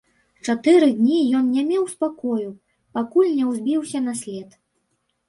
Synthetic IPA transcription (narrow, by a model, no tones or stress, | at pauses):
t͡ʂat̪ɨɾɨd̪ʲnʲijɔnnʲamʲɛwspakɔju | pakulʲnʲɛwzʲbʲiwsʲɐnɐsʲlʲɛt̪